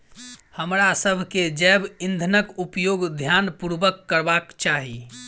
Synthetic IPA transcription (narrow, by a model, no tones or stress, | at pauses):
həmɾasəbʱked͡ʒɛbind̪ʱənəkupjoɡd̪ʱjanpuɾʋəkːəɾbakt͡ʃaɦi